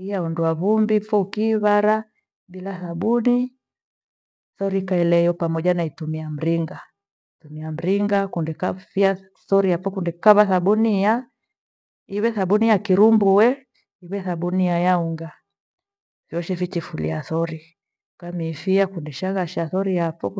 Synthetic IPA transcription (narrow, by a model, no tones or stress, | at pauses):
ijaunduaβumbifɔukiːβaɾa | bilaθaɓuni | θɔɾikaɛlɛjɔpamɔʄanaitumiam̩ɾiŋɡa | itumiam̩ɾiŋɡakundɛkafia | θɔɾiapɔkundɛkaβaθaɓunija | iwɛθaɓunijakiɾumbuwɛ | iwɛθaɓunijajauŋɡa | vjɔʃɛfit͡ʃifulḭaθɔɾi | kamifiakundɛʃaɣaʃaθɔɾiapɔ